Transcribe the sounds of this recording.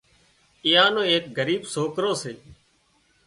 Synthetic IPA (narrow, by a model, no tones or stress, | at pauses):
ɪjãːnõːeːk̚ɡəɾiːbsoːkɾoːseː